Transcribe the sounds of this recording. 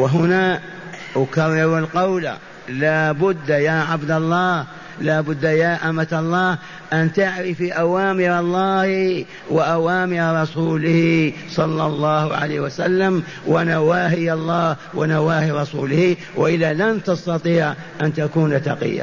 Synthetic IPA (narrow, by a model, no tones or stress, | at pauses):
wɪɦʊna | ʔʊkarˤːɑɾalqawla̰ | laːbʊd̪ːjaːʕabd̪alˤːɑːh | laːbʊd̪ːajaːʔamat̪ɑlˤːɑːh | ʔant̪aʕɾɪfiʔawaːmɪɾɑlˤːɑːh | wɪʔawaːmɪɾɾˤɑsuːlɪhisˤɑlːɑlˤːɑːhʕa̰laːwasalːam | wɪnawaːɦɪjɑlˤːɑːh | wɪnawaːhiɾˤɑsṵːlɪhi | wɪʔɪðalant̪ɑst̪ɑt̪ˤiːʕ | ʔant̪akuːnat̪ɑ̰qɪ̰jːa̰